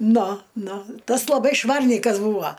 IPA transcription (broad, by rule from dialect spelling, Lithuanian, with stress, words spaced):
ˈnʊ ˈnʊ ˈtɐs lˠɐˈbɐɪ ˈʃʋɐrʲnʲiːkɐs ˈbuːʋoː